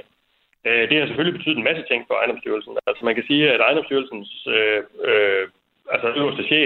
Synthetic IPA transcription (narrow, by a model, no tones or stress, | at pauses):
ød̥e̝hɑsefølibe̝t͡sʰy̰ð̩ˠenmæsət͡sʰe̝ŋ̰pʰɒɑ̈ɪnd̥ɒ̽msd̥yɐlsn̩æl̰səmænkʰæsiːæɾɑ̈ɪndɒ̽msd̥yːɐlsn̩søø | ælsəsd̥æɕḛ